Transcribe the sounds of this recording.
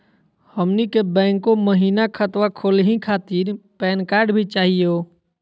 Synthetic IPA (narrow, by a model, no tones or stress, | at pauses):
həmnikebɛ̃ːŋkːoməɦiːnakʰət̪wakʰoːlɦĩkʰaːt̪iɾpɛːnkaːɾɖbʱit͡ʃaːɦijo